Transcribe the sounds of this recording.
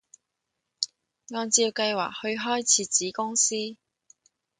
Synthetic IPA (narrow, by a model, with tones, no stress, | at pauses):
ŋɔː˧nt͡siː˧wkɐ˧jwa̰ː˨k̚hɵ˧ɥɦɔː˥jt͡sʰiː˨˧t͡siː˨˥kʊ˥ŋsiː˥